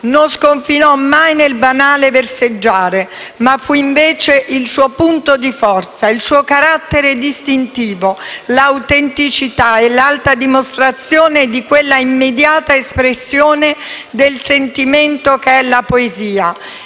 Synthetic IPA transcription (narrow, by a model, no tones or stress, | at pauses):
nonskoɱfinɔmːajnelbanaːleversed͡ʒːaːɾemafːuiɱveːt͡ʃeʔilsuːopunt̪od̪ifɔrt̪sailsuːokaɾat̪ːeɾed̪ist̪int̪iːvolawt̪ent̪it͡ʃit̪aelalt̪ad̪imost̪ɾat̪sːjoːned̪ikwelːaimːed̪jaːt̪aespɾesːjoːned̪elsent̪iment̪okeɛlːapoeziːa